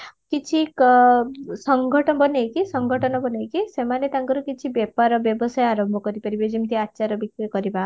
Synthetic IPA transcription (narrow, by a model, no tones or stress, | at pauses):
kit͡ʃʰik | sɔŋɡʱɔʈɔbɔnejkisɔŋɡʱɔʈɔnɔbɔnejkisemanet̪aŋkɔɾukit͡ʃʰibjepaɾɔbjɔbɔsajaɾɔmbʱɔkɔɾipaɾibed͡ʒimt̪iatːʃaɾɔbikɾikɔɾiba